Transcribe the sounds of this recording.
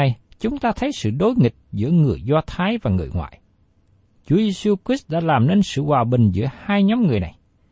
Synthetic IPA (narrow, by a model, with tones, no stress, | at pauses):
a˧˩jt͡ɕʊ˨˦ŋ͡mt̪aː˧t̪ʰə˨˦jsɨ̰˧˨ɗo˨˦jŋï˨˩k̟̚zɨ̰˧˥əŋɨ˨˩əjzɔ˧t̪ʰaː˨˦jvaː˨˩ŋɨ˨˩əjŋwa̰ː˧˨j | t͡ɕu˨˦əze˧su˧kwi˦˥s̚ɗa̰ː˧˥laː˨˩mne˧nsɨ̰˧˨hwaː˨˩ɓï˨˩ŋ̟zɨ̰˧˥əhaː˧jɲɔ˨˦mŋɨ˨˩əjna˨˩j